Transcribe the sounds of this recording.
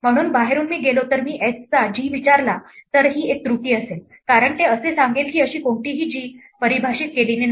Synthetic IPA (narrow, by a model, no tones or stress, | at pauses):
m̤əɽ̃uːnbaɦeɾuːnmiːɡelot̪əɾmiːʔet͡st͡sad͡ʑiːʋit͡ɕaɾlat̪əɾɦiːek̚t̪ɾuʈiːəsel | kaɾəɳt̪eəsesaŋɡelkiːəɕiːkoɳʈiːɦiːd͡ʑiː | pəɾibʱaɕiːt̪̚kelinen